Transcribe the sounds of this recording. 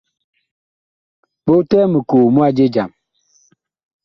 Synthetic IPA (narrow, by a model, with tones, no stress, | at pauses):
ɓo˦tɛ˦mə˨koː˨mu˦a˦d͡ʒe˦d͡ʒa˨m